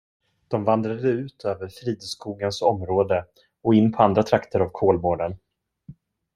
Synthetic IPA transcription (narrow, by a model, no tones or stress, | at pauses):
d̪̥ɔmvand̪ɾad̪əʉ̟ːt̪ʰøːvəɾfɾiːd̪skuːɡənsɔmɾoːd̪ə | ɔɪnːpʰɔand̪ɾat̪ʰɾakt̪ʰəɾavkʰoːlmoːɖən